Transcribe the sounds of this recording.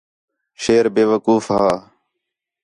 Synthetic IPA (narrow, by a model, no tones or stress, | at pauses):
ʃeːɾbeːʋəkuːfɦaː